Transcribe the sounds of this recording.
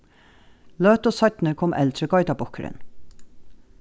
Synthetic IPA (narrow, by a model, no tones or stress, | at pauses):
løːt̪osɑt̪n̩əkʰɔmʔɛ̰lt̪ʰɾəɡɑɪt̪ɑbɔkʰəɾə̰n